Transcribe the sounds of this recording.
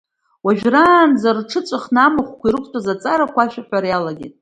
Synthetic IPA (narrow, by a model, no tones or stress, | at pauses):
waʒᶣraːnd͡zarʈ͡ʂʰɨt͡sʷʼaχnamɨχʷkʷʰiɾɨkʷʰʼtʷʼazat͡sʼaɾakʷaʃʷᶣaħʷᶣaɾajalaɡʲḭtʼ